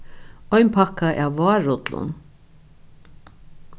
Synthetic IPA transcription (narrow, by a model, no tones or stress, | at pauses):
ɔjnpʰakaʔawːaːɾʊt̪lʊ̰n